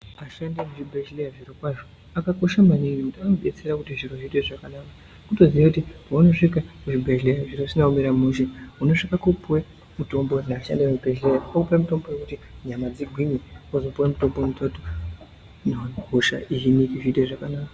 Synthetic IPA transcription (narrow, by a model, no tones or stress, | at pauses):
aʃandimuʐibʱeʃlejaʐirokwaʐo | akako̞ʃamaniniutaknoɓe̞t͡seɾakutiʐiro̞ʐiteʐakanaːka | kuto̞ziʋakutipauno̞ʂikakuʐibʱeʃlejaʐiro̞sinaumeɾamuʃeuno̞ʂikakopwe | muto̞mbo̞naaʃa̰ndiweubʱeʃlejaokupwemuto̞mbo̞je̞kutiɲamad͡ziɡʱwimiozo̞puwemuto̞mbonutʰotu | noɦoʃa̰ʔiɦinikiʐitweʐakanaːka